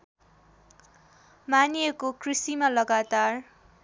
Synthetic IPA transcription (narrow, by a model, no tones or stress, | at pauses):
manijʌkokrisimalʌɡat̪ar